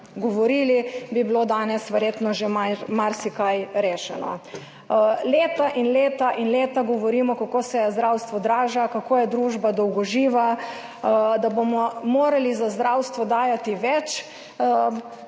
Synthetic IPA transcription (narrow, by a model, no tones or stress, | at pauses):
ɡɔʋɔɾiːlibibilod̪aːnɛsʋɛɾjeːt̪nɔʒemamaɾsikajɾeːʃɛnɔ̰ | leːt̪aʔinleːt̪aʔinleːt̪aɡɔʋɔɾiːmɔkakoːsɛzd̪ɾawst̪ʋɔd̪ɾaːʒakakoːjɛd̪ɾuʒbad̪ɔwɡɔʒiːʋa | d̪abomɔmoːɾalizazd̪ɾawst̪ʋɔd̪aːjat̪iʋɛt͡ʃ